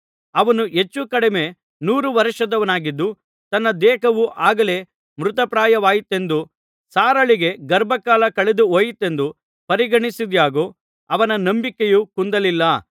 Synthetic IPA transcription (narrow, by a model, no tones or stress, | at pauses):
ɐʋɐnuɦe̞t͡ʃːukɐɽeme̞ | nuːɾuʋɐɾiʂɐd̪ɐʋɐnaːɡid̪ːu | t̪ɐnːɐd̪ɛːkɐʋuʔaːɡɐle̞ː | mɾut̪ɐpɾaːjɐʋaːjit̪ːe̞nd̪u | saːɾɐɭiɡe̞ɡɐɾbʱɐkaːlɐkɐɭed̪uoːjit̪ːe̞nd̪u | pɐɾiɡɐɳisid̪jaːɡoː | ɐʋɐnɐnɐmbikːejuːkund̪ɐlilːɐ